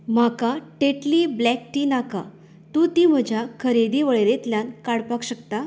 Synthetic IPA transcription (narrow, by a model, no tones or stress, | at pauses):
m̤akaʈeʈliːblɛkʈiːnaka̰ | t̪ũːt̪im̤əd͡ʑʱjakʰəɾed̪iʋəɭeɾet̪ljankaɽpakɕəkt̪a